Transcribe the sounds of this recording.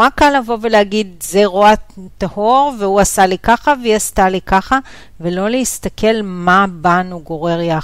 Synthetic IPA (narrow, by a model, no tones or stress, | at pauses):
akːalːavo̞veleaɡidzeʁoat̪ahoʁvehuasalikaχaveast̪alikaχa | velo̞leist̪ake̞lmabanuɡo̞ʁe̞ʁja